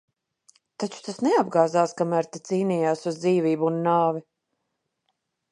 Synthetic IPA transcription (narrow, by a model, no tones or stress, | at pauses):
t̪at͡ʃu̥t̪asneab̚ɡaːzaːskamæɾt̪et̪siːniːjaːsuzd̪ziːviːbuunːaːvi